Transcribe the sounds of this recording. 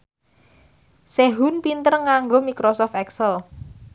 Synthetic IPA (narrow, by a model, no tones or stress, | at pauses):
seɦunpint̪ərŋaŋɡomikɾosɔft̪ɛksəl